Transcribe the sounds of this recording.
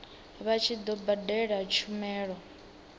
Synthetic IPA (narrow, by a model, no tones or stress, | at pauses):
βat͡ʃʰid̪ɔbadɛɺat͡ʃʰumɛːɺɔ